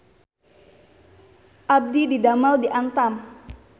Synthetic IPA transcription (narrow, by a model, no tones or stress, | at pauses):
ʔab̚dididamaldiʔant̪am